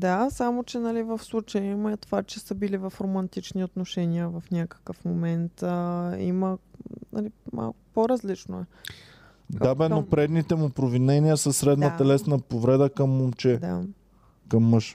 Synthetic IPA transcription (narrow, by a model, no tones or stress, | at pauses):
d̪asamot͡ʃɛnɐlivəfslˠut͡ʃəjɛmɛt̪ovat͡ʃɛsəbilivɐfɾomɐnt̪it͡ʃniot̪noʃɛnʲiəvɐfnʲakə̥kəfmomɛnt̪əḭmənɐ̰lima̰lˠkʊ̥poɾɐzlit͡ʃnoɛ | d̪abɛnopɾɛd̪nit̪ɛmʊpɾovinɛniəsəsɾɛd̪nət̪ɐlɛsnɐpovɾɛd̪əkɐmːomt͡ʃɛd̪a̰ | kɐmːəʃ